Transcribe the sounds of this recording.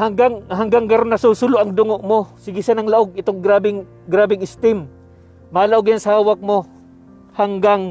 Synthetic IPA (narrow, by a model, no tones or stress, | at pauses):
haŋɡaŋɦɐŋɡaŋɡɐɾonːɐsusʊloʔɐŋd̪ʊŋoʔmosɪɡɪsanɐŋlɐʔoɡ̚ɪt̪oŋɡɾaːbɪŋ | ɡɾaːbɪŋɪst̪ɪmː | aːlɐʔoɡjaŋsɐhaːwɐk̚mo | haŋɡaŋ